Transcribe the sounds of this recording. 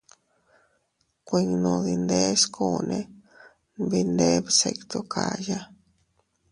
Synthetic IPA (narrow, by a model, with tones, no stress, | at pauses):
kʷi˧ŋ˧nũ˧˨ði˧nd̪e˦ʂkʰu˦˨nẽ˧ | bi˧nd̪e˦βse˧kt̪o˦ka˨ja˦